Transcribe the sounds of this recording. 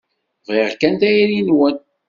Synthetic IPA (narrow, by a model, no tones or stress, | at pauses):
viʁkænt̪æjɾinwən